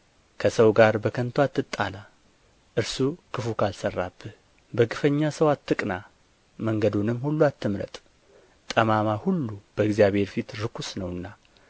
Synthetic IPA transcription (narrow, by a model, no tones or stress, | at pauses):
kʰəsəwɡaɾbəkʰənt̪ʰuat̪ːɨt̪ʼːa̰la | ʔɨɾsukʰɨfukʰalsərːab̥ːɨh | bəɡɨfəɲːasəwat̪ːɨkʼna | məŋɡəd̪unɨmːhulːuat̪ʰːɨmɾə̰t̪ʼ | t̪ʼəmamahulːub̥əɡzijaβhe̞ɾfit̪ɾɨkʰusnəwɨnːa